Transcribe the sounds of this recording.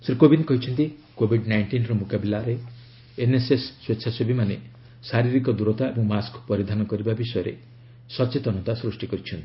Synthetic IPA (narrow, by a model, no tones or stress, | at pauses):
sɾikobʱinkɔɦit͡ʃʰɔnt̪ikobʱiɖnajɳʈinɾɔmokabilaɾeː | nesesːweːt͡ʃʰasebʱimanḛ | saɾiɾikɔd̪uɾɔt̪aebɔŋmaskpɔɾid̪ʱanɔkɔɾibabisɔjɔɾḛ | sɔt͡ʃet̪ɔnɔt̪asɾusʈikɔɾit͡ʃʰɔnt̪i̥